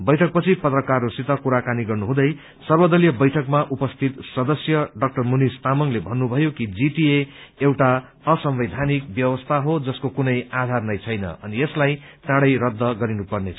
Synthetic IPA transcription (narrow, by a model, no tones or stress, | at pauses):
bʌjʈʰʌk̚pʌt͡sʰipʌt̪rʌkarːosit̪ʌkuɾakaniɡʌrnuɦũd̪ʌj | sʌrbʌd̪ʌlijʌbʌjʈʰʌkmaʔupʌst̪ʰit̪sʌd̪ʌsjʌɖʌk̚ʈʌrmunist̪amʌŋlebʱʌnːubʱʌjokid͡ziʈieewʈa | ʌsʌmbʌjd̪ʱanikbjʌwʌst̪ʰaɦod͡zʌskokunʌjad̪ʱarnʌjt͡sʰʌjnʌ̰ʌnieslajtaɽʌjɾʌd̪ʱːʌɡʌɾinupʌrneʌ